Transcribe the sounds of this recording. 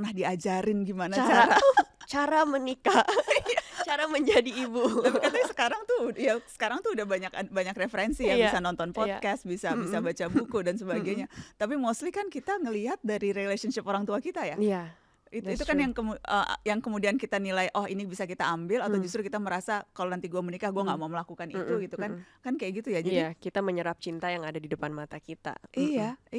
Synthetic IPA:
prnahdiad͡ʒaɾɪnɡimanaat͡ʃaɾat͡ʃaɾamənikajat͡ʃaɾaməɲd͡ʒadiːbuapikaasə̥kaɾaŋt̪ujasə̥kaɾaŋt̪uudahbaɲakabaɲakrefəɾɛnsijabisanɔnt̪ɔnpɔt̪̚kɛst̪̚bisabisabat͡ʃabukudansəbaɡajɲat̪ap̬imoslikankit̪aŋəliɦat̪̚daɾiɾelesənʃɪpoɾaŋt̪uakit̪ajaia | it̪it̪ukanjaŋkəmuə̰jaŋkəmudiankit̪anilajʔɔhinibisakit̪aːmbɪlat̪awd͡ʒust̪ɾukit̪aməɾasakalonant̪iɡuamənikahɡuaŋɡaʔmauməlakukanḭt̪uɡit̪ukankankajaʔɡit̪ujad͡ʒadikit̪aməɲəɾap̚t͡ʃint̪ajaŋadadidəpanmat̪akit̪a̰ʔija

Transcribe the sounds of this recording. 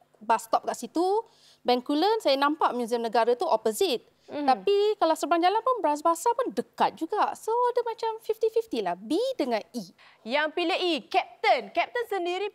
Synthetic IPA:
bast̪ɔp̚kaʔsit̪u | bɛŋkulənsajanãmpaʔmjũziəmnə̃ɡaɾat̪uʔɔpozit̪̚ | t̪ːapikalawsəbaŋd͡ʒalanpunbəɾas̬basapundəkat̪̚d͡ʒuɡaʔsoadəmãt͡ʃamfift̪ifift̪ilahbidəŋãni | jaŋpiləikɛp̚t̪ənkɛp̚t̪ənsəndiɾi

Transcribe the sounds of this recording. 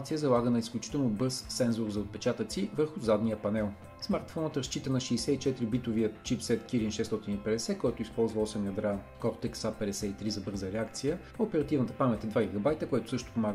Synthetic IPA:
t̪sijəzɐlˠaɡənɐisklʲut͡ʃi̥t̪ɛlˠnobɤsːɛnzoɾzɐot̪̚pɛt͡ʃat̪ət̪sivəɾxʊzad̪nijəpɐnɛlˠ | smaɾt̪fɔnət̪ɾɐst͡ʃit̪ənɐʃɛːsɛit͡ʃɛt̪iɾibit̪ʊviət͡ʃipsɛt̪kiɾinʃɛst̪ɔt̪inipɛd̪ɛsɛkɔjt̪ʊispɔlˠzvɐɔsɛmjɐd̪ɾakɔɾt̪ɛksapɛd̪ɛsɛit̪ɾizɐbɤɾzəɾɛakt̪sijə | opɛɾɐt̪ivnət̪əpamɛt̪ʲɛd̪vaɡʲiɡɐbajt̪əkoɛt̪ʊsɤʃt̪ʊ̥pomaɡ

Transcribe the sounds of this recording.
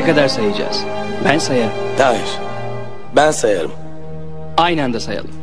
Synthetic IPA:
kad̪aɾsajad͡ʒa̰ːz̥ | bænsajaɾɯmt̪ʰaːjiɾ̥ | bænsajaɾɯ̰m | ajnand̪asaja̰lˠɯm

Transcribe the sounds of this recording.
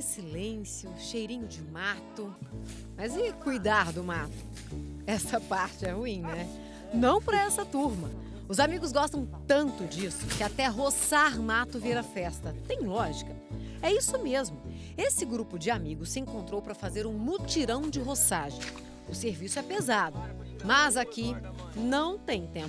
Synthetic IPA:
ɪsilẽsjʊʃejɾĩɲʊd͡ʒɪmat̪ʊ | mɐzɪkujd̪aɾd̪ʊmat̪ʊ̥ | ɛsɐpaɾt͡ʃɪɛhuĩɲnɛ | nɐ̃w̃pɾɐɛsɐt̪uɾmɐ | ʊzamiɡʊz̬ɡɔst̪ɐ̃w̃t̪ɐ̃nt̪ʊd͡ʒisʊ̥kɪat̪ɛɦosaɾmat̪ʊviɾɐfɛst̪ɐt̪ẽj̃lɔʒikɐɛisʊmezmʊ | esɪɡɾupʊd͡ʒɪamiɡʊssɪẽŋkõnt̪ɾowpɾɐfazeɾũmut͡ʃiɾɐ̃w̃d͡ʒɪɦosaʒḛ̃j̃ | ʊseɾvisʊɛpezad̪ʊ | mɐzakinɐ̃w̃t̪ẽj̃t̪ẽp

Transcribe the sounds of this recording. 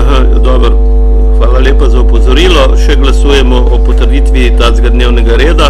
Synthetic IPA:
ɦaja̰d̪ɔːbəɾ | xʋaːlaleːpazaupɔzɔɾiːlɔ | ʃɛɡlɐsuːjɛmɔʔɔpɔt̪əɾd̪iːt̪ʋit̪aːzɡad̪neːwnɛɡaɾeːd̪a

